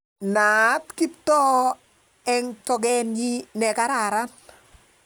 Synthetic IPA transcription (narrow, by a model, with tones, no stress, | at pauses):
na˨˦tki˦ptɔ˦ | ɛ˦ŋtɔ˨ɡɛ˦nd͡ʒi˦nɛ˨ka˦ɾa˨ɾa˦n